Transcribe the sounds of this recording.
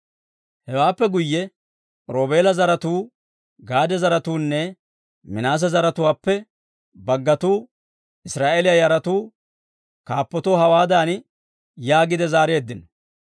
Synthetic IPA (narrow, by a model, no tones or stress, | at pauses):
hɛwaːpːɛɡʊjːɛ | ɾo̞ːbe̞ːlɐzɐɾɐt̪uː | ɡaːd̪ɛzɐɾɐt̪uːnːɛ | mɪnaːs̬ɐzɐɾɐt̪ʊwaːpːɛ | bɐɡːɐt̪uː | ɪsɾaːʔeːlɪjɐjɐɾɐt̪uː | kaːpːɔt̪oːɦɐwaːd̪aːn | jaːɡɪd̪ɛzaːɾeːd̪ːɪnɔ